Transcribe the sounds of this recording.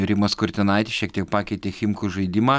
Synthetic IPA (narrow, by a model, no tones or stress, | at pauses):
ɾʲɪmɐskʊɾʲt̪ʲɪnɐɪt̪ʲɪʃʲiɛkt̪ʲiɛkpɑːkʲɛɪt̪ʲeːxʲɪmkuʒɐɪd̪ʲɪmɑː